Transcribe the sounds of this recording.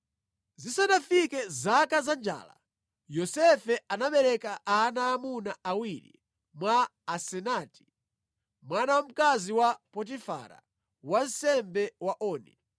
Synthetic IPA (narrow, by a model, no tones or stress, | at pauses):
zisanafikɛzakazand͡ʒa̰ːla̰ | jɔsɛfɛanaɓɛɾɛkaanaːmunaawiɾḭ | mwaːsɛnaːti̥ | mwanawam̩kaziwapɔt̬ifa̰ɾa̰ | wan̩sɛmbɛwaʔɔːnḭ